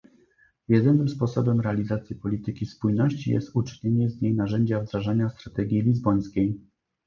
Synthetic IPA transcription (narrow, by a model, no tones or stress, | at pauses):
jɛd̪ɘnɘmspɔsɔbɛmɾɛalʲizat̪sʲjipɔlʲit̪ɘkʲispujnɔɕt͡ɕḭjɛ̰st̪ut͡ʂɘ̥ɲeɲɛzɲejnaʐɛɲd͡ʑavd̪ɾaʐaɲast̪ɾat̪ɛɡʲjilʲizbɔj̃skʲej